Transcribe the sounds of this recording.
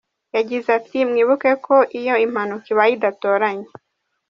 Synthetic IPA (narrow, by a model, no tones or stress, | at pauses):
jad͡ʒizatimŋiβukɛkɔʔijɔimanɔkiwaid̪at̪ɔɾaɲi